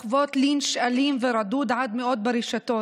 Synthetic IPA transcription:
voːt̪liːnʃʔaliːmvɪɾˤɑd̪uːd̪ʕad̪mɪʔoːt̪̚bɪɾiʃat̪oː

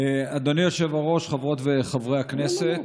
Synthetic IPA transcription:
ad̪onijoʃevaʁo̞ʃχavʁo̞tveχavʁehakneset̪

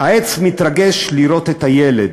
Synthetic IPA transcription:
haet͡smit̪ɾaɡe̞ʃliɾo̞t̪et̪ajeled̪

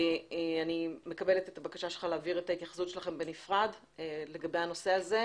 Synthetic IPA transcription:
eanime̞kabe̞letetabakaʃaʃelχaleːviʁetait̪jaχḁsutʃe̞laχe̞mbenifʁad | le̞ɡabejano̞se̞aze̞

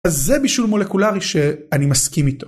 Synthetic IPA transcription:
azːe̞biʃulmo̞le̞kulaʁiʃe̞animaskimit̪o̞

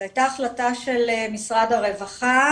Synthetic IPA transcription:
ajtaːχlataʃelemisʁadaʁe̞vaχa

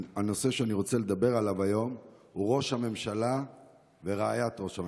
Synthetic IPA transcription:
ano̞se̞ʃeaniʁo̞t͡sele̞d̪abe̞ʁalavajo̞mhuʁo̞ʃhame̞mʃala | veʁaajat̪ʁo̞ʃha

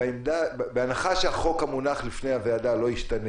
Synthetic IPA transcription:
imd̪abeanaχaʃehaχo̞khamunaχlifnejhavead̪alo̞iʃtane

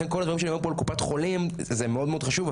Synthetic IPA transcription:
enkolad̪vaʁimʃeimapoalkupat̪χo̞limzemeo̞d̪meod̪χaʃuv

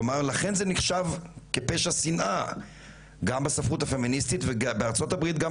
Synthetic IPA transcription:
omaʁlaχe̞nzeniχʃavkepeʃasinʔa | ɡambasafʁutafe̞ministitvebeaʁt͡so̞tabʁit̪̚ɡa

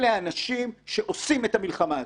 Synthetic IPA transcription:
leanaʃimʃe̞ʔo̞sime̞tamilχama

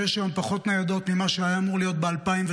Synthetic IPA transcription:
eʃajompaχo̞t̪nejad̪o̞t̪mimaʃeajaːmuʁlijo̞t̪̚bealpaimv

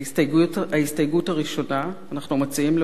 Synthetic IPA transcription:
aistajɡuthaʁiʃo̞naːnaχnumot͡siimle

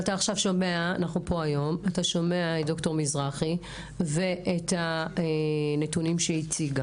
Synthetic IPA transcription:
ataːχʃavʃo̞meaanaχupo̞ajo̞mataʃo̞me̞aed̪o̞kto̞ʁmizʁaχi | ve̞etaenetunimʃeit͡siɡa

